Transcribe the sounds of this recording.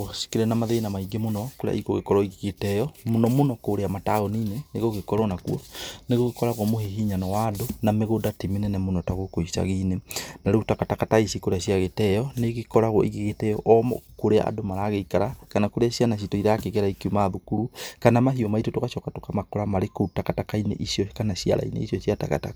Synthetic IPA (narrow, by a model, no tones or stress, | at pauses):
si̥kiɾɛnamaðeːnamaiɡemonɔkoɾḛa̰ʔikoɣekɔɾɔiɣiɣetɛjɔmonɔmonɔkoɾeamataɣoniːneneɣoɣekɔɾɔnakuɔneɣoɣekɔɾaɣɔmoɦeɦiɲanɔwadonameɣodatimenɛnamonɔtaɣokoisa̰ɣinenaɾeutakatakataisikoɾeaʃiaɣetɛjɔneɣikɔɾaɣɔ̰ʔiɣiɣetɛjɔʔɔmɔ̰koɾea̰ʔa̰domaɾaɣeikaɾakanakoɾeaɕianaɕ̬itoiɾaːkeɣeɾaikiumaðukuɾukanamaɦiɔmaitotokaʃɔkatokamakoɾamaɾekoutakatakainḛʔisiɔkanaɕia̰ɾa̰inḛisɔsiata̰ka̰ta̰